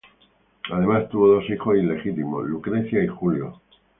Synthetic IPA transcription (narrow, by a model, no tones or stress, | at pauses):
aðe̞mast̪uβo̞ðo̞sixo̞sile̞xit̪imo̰lukɾeθjaixuljo